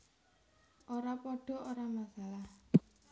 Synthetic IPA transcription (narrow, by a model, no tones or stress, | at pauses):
ʔoɾapɔɖ̥ɔ̤oɾamasalah